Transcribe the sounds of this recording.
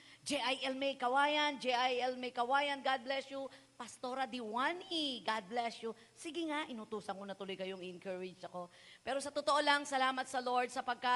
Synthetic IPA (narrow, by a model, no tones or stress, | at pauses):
d͡ʒɛʔajʔɛlmɛjkɐwaːjɐnd͡ʒɛʔajɛlmɛjkɐwaːjɐnɡad̪̚blɛsju | pɐst̪o̞ɾɐd̪iwaniɡad̪̚blɛsju | sɪɡɪŋaʔɪnut̪uːsɐŋkonɐt̪ʊlojkɐjoŋɪnkəɹɪd͡ʒɐko̞ | pɛːɾo̞sɐt̪ot̪oʔolɐŋsɐlaːmɐt̪̚sɐlo̞ɹd̪̚sɐpɐɡ̚ka